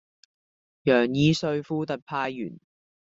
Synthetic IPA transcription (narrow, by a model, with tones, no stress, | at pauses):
jœː˨˩ŋjiː˨˧sɵ˧ɥfuː˥t̪ɐ˨t̚pʰaː˧jjyː˨˩n